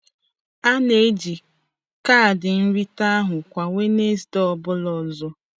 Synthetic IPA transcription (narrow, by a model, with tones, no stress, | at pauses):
a˦ne˦d͡ʒi˨ | ka˦˨dɪ˨n̩˦ɾi˦ta˦ɦʊ˨kʷa˨ŋʷe˦ne˦sdɔ˦˨bʊ˦lɔ˨zɔ˦